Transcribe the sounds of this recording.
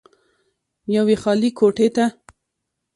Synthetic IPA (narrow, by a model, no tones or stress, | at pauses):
jawexɑlikʰoʈet̪a